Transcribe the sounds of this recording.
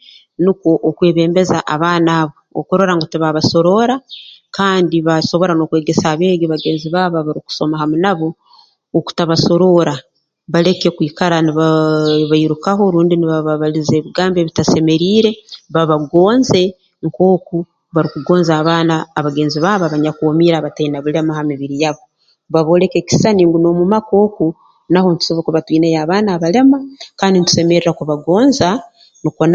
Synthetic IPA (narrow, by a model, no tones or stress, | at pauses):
nikwo̞ʔokwe̞ːβe̞ːmbe̞za̰ʔaβaːnaːβoo̰koɾo̞ɾaŋɡotiβaβaso̞ɾo̞ɾakaːndiβaso̞βo̞ɾano̞kwe̞ːɡe̞saːβe̞ːɡiβaɡe̞ːnziβaːβaβaɾiku̥so̞mahamunaβo̞ː | ku̥taβaso̞ɾo̞ɾa | βale̞kekwiːkaɾaniβaβaiɾukaɦo̞ɾuːndiniβaβaβalize̞ːβiɡaːmbe̞βitase̞me̞ɾiːɾe̞βaβaɡo̞ːnze̞ | ŋko̞ːku | βaɾikuɡo̞ːnzaːβaːnaːβaɡe̞ːnziβaːβaβaɲakomiɾaβatainaβule̞mahamiβiɾijaβo | βaβo̞ːle̞ke̞ːki̥saniːŋɡuno̞mumako̞ːku | naho̞nitu̥so̞βokeβatwiːnejaːβaːnaβale̞makaːndinitu̥se̞me̞ɾiɾakuβaɡo̞ːnza | nikon